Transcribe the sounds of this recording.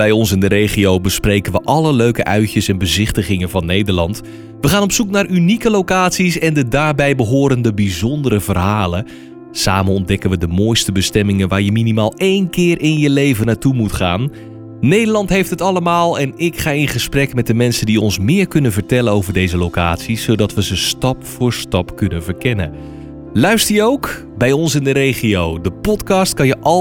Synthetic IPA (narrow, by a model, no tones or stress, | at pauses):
b̥ɛjɔnsɪndəɾejχiowbəsprejkənʋəʔɑləløɥkəʔœɥcəsɛnbəzɪχtəχɪŋənvɑnːejdəɹlɑnt | ʋəχaːnɔpsuknaːɹynikəlowkaːtsisɛndədaːɹbɛjbəɦʊːɾəndəbizɔndəɾəvərɦaːlə | saːmənɔndɛkənʋədəmoːjstəbəstɛmɪŋənʋaːɹjəminimaːlˠejnkɪːrʔɪnjəlejvənaːɹtumutχaːnː | ejdəɹlɑntɦejftɦətɑləmaːlˠɛnɪkχaːɪnχəsprɛkmɛt̚dəmɛnsəndiɔnsmɪːɹkɵnənvəɹtɛlənowvəɹdejzəlowkaːtsisowdɑtʋəzəstɑpfʊːɹstɑpkɵnənvəɹkɛnə̰ | lœɥstəɹjəowk | bɛjɔnsɪndəɾejχiowdəpɔtkɑst̚kɑnjəʔɑ